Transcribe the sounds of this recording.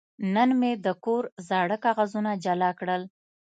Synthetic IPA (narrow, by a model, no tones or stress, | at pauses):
nənmed̪əkoɾzɑɽəkɑɣazunad͡ʒalɑkɽəl